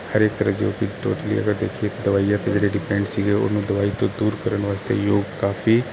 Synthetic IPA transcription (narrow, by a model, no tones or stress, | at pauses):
həɾeːk̚t̪əɾəd͡ʒeːkit̪o̰ːʈ̪lḭɐ̰ɡəɾd̪eːkʰiet̪od̪ɐʋaːijat̪ed͡ʒeːɽeɖɪpẽːɳɖsiɡeo̰nũd̪ɐʋaːit̪od̪uːɾkəɾənʋaːst̪ḛjoːɡkaːfi